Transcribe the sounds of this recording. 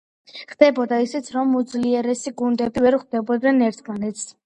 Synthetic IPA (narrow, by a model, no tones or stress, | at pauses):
χd̪̥ɛbɔd̪aisit̪sʰɾɔmud̪zliɛɾɛsiɡund̪ɛbivɛɾχd̪ɛbɔd̪nɛnɛɾt̪ʰmanɛt̪s